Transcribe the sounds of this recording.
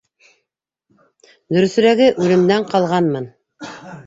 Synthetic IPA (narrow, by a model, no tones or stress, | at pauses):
d̪ɵ̆ɾɵ̆θɵ̆ɾæɡɘʔʉlɘ̆md̪æɴqɑlˠʁɑnmɤn